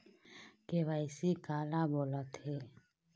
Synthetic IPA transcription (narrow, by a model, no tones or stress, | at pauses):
keʋaːɪsikaːlaboːlət̪heː